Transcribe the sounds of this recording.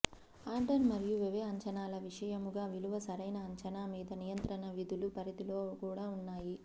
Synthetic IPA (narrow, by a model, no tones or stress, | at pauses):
aːɳʈɐnmɐɾijuʋɛʋeːɐɲt͡ʃɐnaːlɐʋiʂɐjɐmuɡaːʋiluʋɐsɐɾɐjnɐːɲt͡ʃɐnaːmiːd̪ɐnijɐnt̪ɾɐnɐʋid̪ʱulupɐɾid̪ilo̞ːkuːɽaːunːaːji